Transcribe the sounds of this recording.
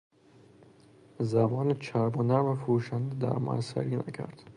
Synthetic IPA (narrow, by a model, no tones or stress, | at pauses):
zæmɒːnet͡ʃʰæɾbonæɾmæfoɾuːʃænd̪ed̪æ̰ɾmɒ̰æsæ̰ɾiːnæ̰cʰæ̰ɾd̪̥